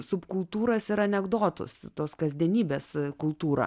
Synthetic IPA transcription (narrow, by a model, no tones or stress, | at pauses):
sʊpkʊlˠt̪uːɾɐsɪɾɐnʲɛɡd̪oːt̪ʊ̰st̪oːskɐzʲd̪ʲiɛnʲiːbʲeːskʊlˠt̪uːɾɐ̰